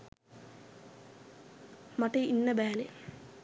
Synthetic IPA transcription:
maʈeinːəbæːle

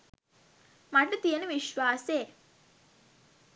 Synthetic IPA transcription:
mɐʈːut̪ijenuʋiʃʋaːseː

